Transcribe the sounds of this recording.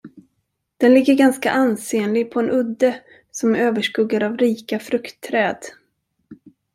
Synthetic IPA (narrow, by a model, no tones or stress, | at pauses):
d̪̥ɛnlɪɡːəɾɡanska̰ʔanseːnlɪɡ̚pʰɔɛnʔɵd̪ːə | sɔmæɾøːvəʂkɵɡːaɾavɾiːkafɾɵkt̪ʰːɾɛːd̪